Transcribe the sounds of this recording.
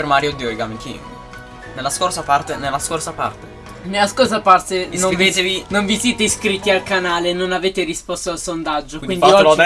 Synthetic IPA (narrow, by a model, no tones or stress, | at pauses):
ɾmaːɾjod̪ioiɡamikḭ | nelːaskorsapart̪enelːaskorsapa̰rt̪e | nelːaskorsapart̪enovet̪evinoɱvisjeːt̪eskɾit̪ːialkanaːlenonaveːt̪eɾispɔst̪oalsond̪ad͡ʒːokwiniɔ